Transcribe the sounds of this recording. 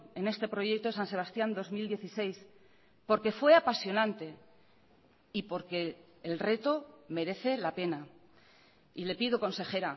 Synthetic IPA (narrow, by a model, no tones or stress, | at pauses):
ene̞st̪e̞pɾo̞je̞k̚t̪osanse̞β̞ast̪jand̪o̞zmild̪je̞θise̞js | po̞ɾke̞fwe̞apasjo̞nãnt̪e̞ | ipo̞ɾke̞ː | lre̞t̪o̞me̞ɾe̞θe̞lape̞na | ile̞piðoko̞nse̞xe̞ɾa